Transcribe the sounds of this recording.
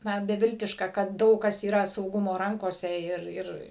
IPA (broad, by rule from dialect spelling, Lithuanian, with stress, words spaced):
ˈnɐ bʲɛˈʋʲɪlʲtʲɪʃkɐ kɐt ˈdɐʊk kɐs iːˈrɐ sɐʊˈɡʊmoː ˈrɐŋkoːsʲɛ ˈɪr ˈɪr